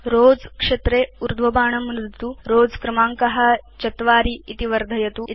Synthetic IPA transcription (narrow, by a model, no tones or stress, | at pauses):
ɾoːd͡zkʂet̪ɾeːuɾd̪ʱʋɐbaːɳɐmɾid̪t̪uɾoːd͡zkɾɐmaːŋkɐɦɐ̆t͡ʃɐt̪ʋaːɾiːt̪iʋɐɾd̪ʱɐjɐt̪u